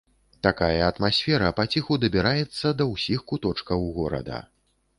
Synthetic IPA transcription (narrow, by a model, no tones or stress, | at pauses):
t̪akajɐːt̪masʲfʲɛɾɐpat͡sʲixud̪ɐbʲɛɾajɛt̪sːɐd̪ɐwsʲixkut̪ɔt͡ʂkɐwɣɔɾɐ̰d̪ɐ̰